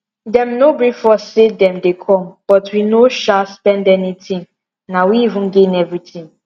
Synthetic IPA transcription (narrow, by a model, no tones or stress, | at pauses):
dɛ̃mnobɹifɔsːedɛ̃mdekʰɔ̃mb̥ɔtwinoʃaspɛ̃ndɛnitʰĩŋ | nawiivũnɡẽnɛvɹitĩŋ